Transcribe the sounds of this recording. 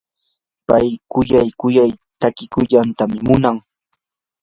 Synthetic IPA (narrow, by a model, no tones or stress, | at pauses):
pajkʊjajkʊjajt̪akɪkʊʎant̪amɪmʊnaŋ